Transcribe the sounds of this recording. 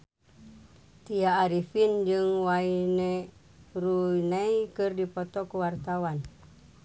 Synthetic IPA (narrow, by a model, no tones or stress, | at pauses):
t̪iaːɾifind͡ʒɨŋwaine | ruinaikɨrdipɔt̪ɔkuwart̪awan